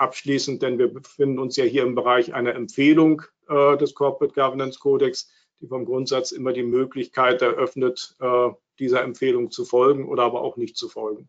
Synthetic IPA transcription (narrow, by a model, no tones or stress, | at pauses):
ʔapʃliːsn̩t̚d̥ɛnviːɐbəfɪndn̩ʊnsjaːhiːɐɪmbəʁaɪçʔa̰ɪnɐɛmpfeːlʊŋ | ʔɛːdɛskʰɔpʁɛt̚ɡ̥avɐnɛnskʰoːdɛks | d̥iːfɔmɡʁʊntz̥at͡sʔɪmɐdiːmøːklɪçkʰaɪtɛɐʔœfnətʔɛː | d̥iːzɐɛmpfeːlʊŋt͡sufɔlɡŋ̩ʔo̰ːɾɐʔaːbɐʔa̰ʊxnɪçtt͡sufɔlɡŋ̩